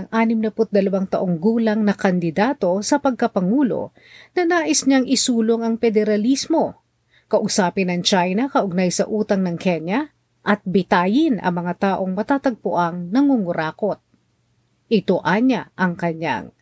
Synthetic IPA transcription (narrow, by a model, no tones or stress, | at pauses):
ɐŋʔaːnɪmnɐpʊt̪̚d̪ɐlɐwaŋt̪ɐʔoŋɡuːlɐŋnɐkɐnd̪ɪd̪aːt̪o̞sɐpɐɡ̚kɐpɐŋuːlo̞̰ | nɐnaːʔɪsɲaŋʔɪsuːloŋɐŋpɛd̪ɛɾɐlismo̞ | kɐʔʊsaːpɪnɐŋt͡ʃajnɐkɐʔʊɡ̚najsɐ̰ʔuːt̪ɐŋnɐŋkɛɲjɐ | ʔɐt̪̚bɪt̪aːjɪnʔɐ̰ŋmɐŋat̪aːʔo̞ŋmɐt̪at̪ɐɡ̚pʊʔɐŋnɐŋuŋʊɾaːko̞t̪̚ | ʔɪt̪oʔaɲaʔɐŋkɐɲa̰ŋ